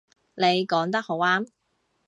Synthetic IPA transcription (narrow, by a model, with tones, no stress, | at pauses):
ne˨˧jkɔː˨˥ŋt̪ɐ˥k̚ho˨˥waː˥m